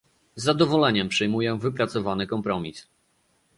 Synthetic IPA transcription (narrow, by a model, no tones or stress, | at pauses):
zːad̪ɔvɔlɛɲɛmpʂɛjmujɛvɘpɾat̪sɔvanɘkɔmpɾɔmʲis